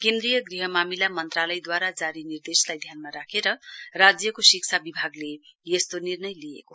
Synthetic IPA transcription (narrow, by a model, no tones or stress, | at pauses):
kend̪ɾijʌɡriɦʌmamilamʌnt̪ralʌjd̪waɾad͡zaɾinird̪eslajd̪ʱjanmaɾakʰeɾʌrad͡zjʌkosikt͡sʰabibʱaɡlejest̪onirnʌjlijḛko